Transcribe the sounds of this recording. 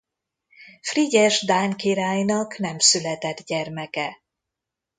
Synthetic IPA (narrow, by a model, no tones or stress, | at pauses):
friɟɛʒd̪aːŋkiɾaːjnɒknɛmsylɛt̪ɛd̪ɟɛrmɛkɛ